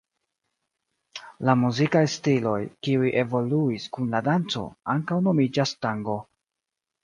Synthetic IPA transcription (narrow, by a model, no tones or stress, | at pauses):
lamuzikajstilo̞jkiujʔe̞vo̞luiskunladant͡so̞̰aŋkawno̞mid͡ʒastaŋɡo̞